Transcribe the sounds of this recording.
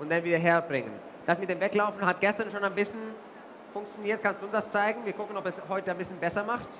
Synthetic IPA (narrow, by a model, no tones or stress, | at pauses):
ʔʊnt̚d̥anviːdɐɦeːɐbʁɪŋən | d̥asmɪt̚d̥eːmvɛklaʊfn̩ɦat̚ɡ̥ɛstɐnʃoːnaɪnbɪsçən | fʊŋk̚t͡sjoniːɐt̚kʰanstd̥uːʊnsd̥ast͡saɪɡŋ̩viːɐkʰʊkən̩ɔpɛshɔʏtəanbɪsçənbɛsɐmaχt